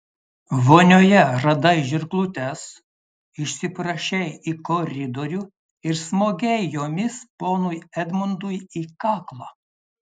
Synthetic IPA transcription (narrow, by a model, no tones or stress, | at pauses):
ʋoːnʲoːjɛɾɐd̪ɐɪʒʲɪɾklˠut̪ʲɛs | ɪʃʲsʲɪpɾɐʃʲɛjikɔɾʲɪd̪oɔɾʲuː | ɪɾsmoːɡʲɛɪjjoːmʲɪspoːnʊjɛd̪ʲmʊnd̪ʊjiːkɑːklˠɑ